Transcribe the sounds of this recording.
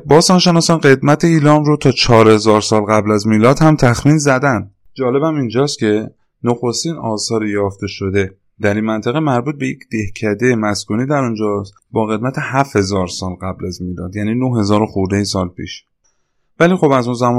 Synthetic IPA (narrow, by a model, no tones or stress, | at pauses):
bɒːsɒːnʃe̞nɒːsɒnɢe̞d̪mæt̪ʰeiːlɒːmɾot̪ʰɒːt͡ʃʰɒːɾhe̞zɒːɾsɒːlɣæblæzmiːlɒːd̪hæmt̪ʰæxmiːnzæd̪ænd̪ | d͡ʒɒːle̞bæmind͡ʒɒːst̪cʲʰe̞ | noxo̞st̪iːnɒːsɒːɾejɒːft̪e̞ʃo̞d̪e̞ | d̪̥æɾinmænt̪ʰæɣemæɾbuːt̪̚be̞jḛcʰd̪̥e̞hcʰæd̪ejemæskuːniːd̪æɾund͡ʒɒːs | bɒːɣe̞d̪̚mæt̪ʰe̞hæfhe̞zɒːɾsɒːlɢæblæzmiːlɒ̰ːd̪jæniːnohhe̞zɒːɾoxuɾd̪ejesɒːlpʰḭːʃ | væliːxo̞bæzunzæmɒː